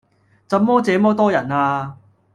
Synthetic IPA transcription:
sɐ˨˥mɔː˥t͡sɛː˨˥mɔː˥t̪ɔː˥jɐ˨˩naː˧

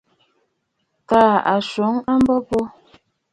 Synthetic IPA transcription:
kaː˦˨a˨ʃo˨˦ŋa˦m˦bɔ˦pɔ˦

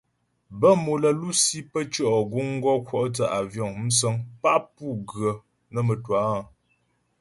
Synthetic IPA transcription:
bə˦mo˨lə˨lu˦si˦pə˦t͡ʃɔ˦ʔɔ˨ɡu˦ŋ̩˦ɡɔ˦kwɔ˦ʔtə˨ʔa˨vjɔ˨ŋm̩˦s̬ə˦ŋpa˦ʔpu˦˨ɡɰə˨ | nə˨mə˨twa˨˦˨

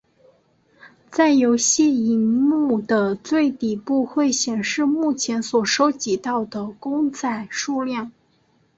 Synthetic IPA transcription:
t͡sa˥˩ɪjo˧˥ʊɕjɛ˥˧i˧˥nmu˥˩d̪ə˩t͡swe˥˩ɪt̪i˨˩pu˥˧xwe˥˩ɪɕjɛ˨˩nʂɻ̩˥˧mu˥˩t͡ɕʰjɛ˧˥nswɔ˨˩ʂo˥ʊt͡ɕi˧˥t̪ɑ˥˩ʊd̪ə˩kʊ˥ŋt͡sʰa˨˩ɪʂu˥˧ljɑ˥˩ŋ

